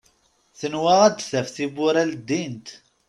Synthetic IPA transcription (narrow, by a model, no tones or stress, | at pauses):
θənwæʁæd̪θæfθibʊɾæld̪ːint̪